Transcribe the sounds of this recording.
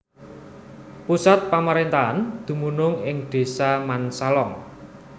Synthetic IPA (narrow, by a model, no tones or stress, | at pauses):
pusat̪̚pamaɾent̪aand̪̥ṳmunʊŋɪŋɖ̪̥e̤samansalɔŋ